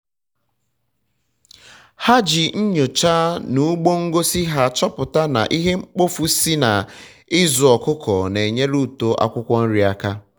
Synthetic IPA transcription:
ha˦d͡ʒi˨n̩˦ɲo˨t͡ʃa˦nu˦ɡ͡bo˦ŋ̩˦ɡo˦si˦ɦa˦t͡ʃɔ˦pʊ˨ta˦na̰˨ʔi˦ɦe˦ŋ͡m̩˦k͡po˦fu˦si˦na˨ | ɪ˦zʊ˨ɔ˨kʊ˦kɔ˨ne˨ɲe˦ɾu˦˨to˦ʔa̰˦kʷʊ˦kʷɔ˦n̩˦ɾi˨a˦ka˦

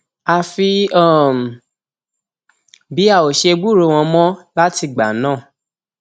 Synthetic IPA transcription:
a˧fi˧a˦˨m˨ | bi˨˦a˦˨o˨ʃe˧ɡ͡bu˦˨ɾo˧˦˨w̃ɔ̃˧mɔ̃˦la˦ti˧˨ɡ͡ba̰˨nãː˦˨

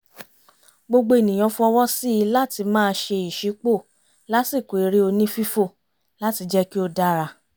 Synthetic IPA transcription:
ɡ͡bo˧ɡ͡bo˧˦e˨nĩ˨j̃ɔ̃˨˧fũ˦ɔ˧wɔ˦si˦i˧la˦ti˧mãː˦˧ʃe˧i˨ʃi˨˦k͡po˦˨ | la˦si˦˨ko˨i˨˦ɾi˦o˧nĩ˦fi˦fo˦˨ | la˦ti˧d͡ʒɛ˦ki˦o˧da˦ɾa˧

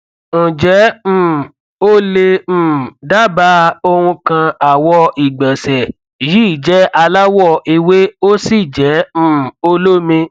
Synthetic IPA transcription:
ñ̩˨d͡ʒɛ̃˨˦˨ | o˦lẽ˧˦˨da˦ba˦o˧hũ˧kã˧a˨wɔ˧i˨ɡ͡bɛ˨sɛ˨ | ji˨˦i˦˨d͡ʒɛ˨˦a˧la˦wɔ˦˨i˧we˦o˦si˦˨d͡ʒɛ̃˨˦˨o˦lo˦mĩ˧

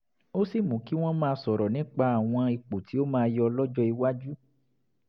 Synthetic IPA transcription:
o˦si˦˨mũ˨˦ki˦w̃ɔ̃˦mãː˧sɔ˨ɾɔ˨nĩ˨˦k͡pa˧a˨w̃ɔ̃˧i˧k͡po˨ti˨˦o˦mãː˦˧˦jɔ˧lɔ˦d͡ʒɔ˦i˧wa˦d͡ʒu˦

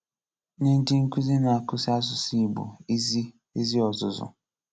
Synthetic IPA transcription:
ne˦n̩˦di˦ŋ̩˦ku˦zi˦na˨a˨kʊ˦si˦a˦s̬ʊ˨si˦˨bṵ˨˦z | i˦zi˦ɔ˨zʊ˨zʊ̰˨

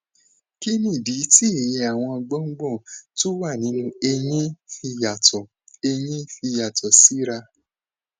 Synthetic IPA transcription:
ki˦nĩ˦˨di˨˦ti˦e˨jɛ˧a˨w̃ɔ̃˧ɔ˧ɡ͡bɔ˦ŋ͡m̩˦ɡ͡bɔ̃˦˨to˦wa˦˨nĩ˨˦nũ˧e˧jĩ˦fi˧ja˨tɔ˨ | e˧j̃ĩ˦fi˧ja˨tɔ˨si˦ɾa˧

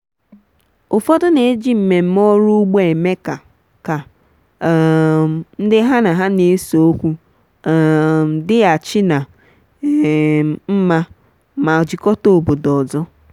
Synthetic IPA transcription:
ʊ˨fɔ˦dʊ˦ne˨˦d͡ʒi˦m̩˨me˨m̩˦mɔ˦ɾu˦ɡ͡bo˦e˨me˦ka˨ | ka˨ | n̩˦dɪ˦ɦa˦na˨ɦa˦ne˨˦so˨o˦kʷu˦˨ | dɪ˦a˨t͡ʃɪ˦na˨ | m̩˦ma˦ | ma˨d͡ʒi˨kɔ˦to˨o˨bo˨dɔ˨zɔ˦

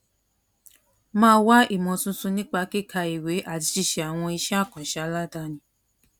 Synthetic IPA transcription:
mãː˦˧˦wa˦ʔi˦˨mɔ̃˨sũ˧sũ˧nĩ˦k͡pa˧ke˦˨kʰa˧i˨we˨˦ʔa˦˨ti˧˦ti˧˨ʃɛ˨a˨w̃ɔ̃˧i˧ʃɛ˦a˦˨kɔ̃˨ʃa˦la˦˨da˧˦nĩ˧˦

